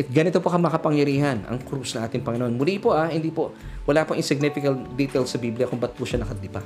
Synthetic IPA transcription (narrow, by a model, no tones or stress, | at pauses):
ʔɛt̪̚ɡɐnɪt̪opokɐmɐɐkɐpɐŋjɐɾiːhɐnɐ̰ŋkɾusnɐŋʔaːt̪ɪŋpɐŋɪnoʔonmʊlipoʔahɪnd̪iːpowɐlapoŋʔɪsɪɡ̚nɪfɪkɐlt̪d̪it̪ɛlsɐbiːblɪjɐkʊŋbɐt̪̚puʃɐnɐkɐd̪ɪpa